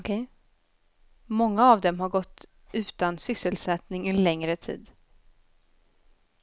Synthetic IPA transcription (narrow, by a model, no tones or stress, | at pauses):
kʰɛ | mɔŋːaːvd̪ɛmɦaɾɡɔt̪ː | ʉ̟ːt̪ansʏsːəlsɛt̪nɪŋɪnlɛŋɾət̪ʰḭːd̪